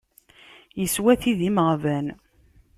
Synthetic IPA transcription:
jəswæθiðiməʁvæn

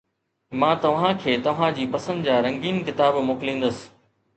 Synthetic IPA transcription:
mãːt̪ɐʋ̤ãkʰeːt̪ɐʋ̤ãd͡ʑiːpɐsə̃nd̪d͡ʑaːɾɐ̃ŋɡiːnkɪt̪aːbmoːkɪlĩːn̆d̪əsɪ̥̆

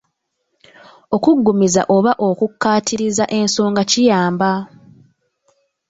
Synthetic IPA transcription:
o̞kuɡːumiza̰ʔo̞βaʔo̞kukːaːtʰiɾizaʔe̞nso̞ːŋɡacijaːmba

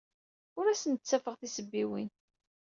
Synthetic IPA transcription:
ʊɾæsənt͡sːæfəʁθisəbːiwin

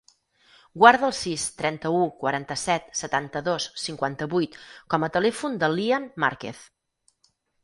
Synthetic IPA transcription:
ɡwaɾðəlˠsist̪ɾɛnt̪əukwəɾant̪əsɛt̪sət̪ant̪əðossiŋkwant̪əβujt̪kɔmət̪əlɛfund̪əlːianma̰ɾkḛθ

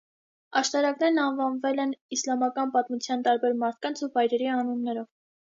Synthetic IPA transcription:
ɑʃt̪ɑɾɑknɛɾnɑnvɑnvɛlɛnislɑmɑkɑnpɑt̪mut͡sʰjɑnt̪ɑɾbɛɾmɑɾt̪̚ʰkɑnt͡sʰuvɑjɾɛɾiɑnunːɛɾɔv

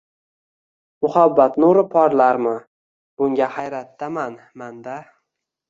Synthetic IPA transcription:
mʊhabːat̪nʊɾɪpʰɒɾlaɾmɪ | b̥ʊŋɡʲahajɾat̪ːaman | mand̪a

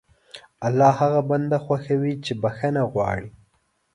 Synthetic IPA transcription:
alːɑhaɣaband̪axwaxawit͡ʃebaxanaɣwɑ̰ɽi

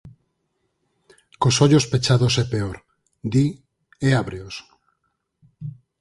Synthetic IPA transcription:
kosoʎospet͡ʃaðosepeoɾ | d̪i | eaβɾeos

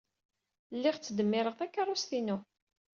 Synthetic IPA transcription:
lːɪʁt͡sːəd̪əmːɪɾəʁθækːɑrˤʊsθinu

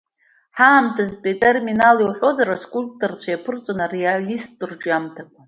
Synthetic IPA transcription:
ħaːmtʰazpʼetʼerminaliwħʷo̞zaɾaskʷʼulp̚ʼtʰʼort͡sʷʰajapʰɨrt͡sʷʼonarealisdɨrd͡ʒamtʰakʷʼa

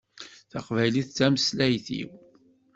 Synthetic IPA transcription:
θɑqvæjliθt͡sːæməslæjθḭw

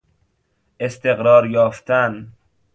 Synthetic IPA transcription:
ʔest̪eɣɾɒːɾjɒːft̪ʰæn

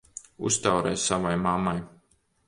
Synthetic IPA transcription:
ṵst̪awɾɛ̰ːjsavajmamaj

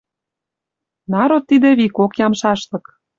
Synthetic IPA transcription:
nɑɾot̪ːid̪ĕβikokjɑmʃɑʃlɤ̆k

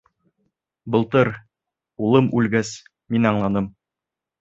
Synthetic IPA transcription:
bɤ̆lˠt̪ɤɾ | ulˠɤmʉlɡæs | minɑɴlˠɑnɤm

